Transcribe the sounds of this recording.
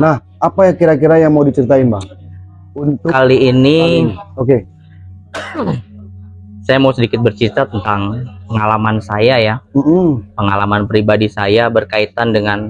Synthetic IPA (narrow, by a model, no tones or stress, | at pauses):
nah | apajaŋkiɾakiɾajaŋmaudit͡ʃəɾit̪ainbaŋ | unt̪ʊkaliːnioke | sajamausədikɪt̪̚bərt͡ʃit̪at̪ənt̪aŋpəŋalamansajajam̩hm̩pəŋalamanpɾibadisajabərkait̪andəŋan